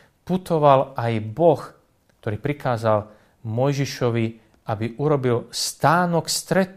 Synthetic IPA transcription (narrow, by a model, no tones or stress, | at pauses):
put̪ɔʋalajbɔx | kt̪ɔɾiːpɾikaːzal | mɔjʒiʃɔʋi | ʔabiʔuɾɔbilst̪aːnɔkst̪ɾɛt̪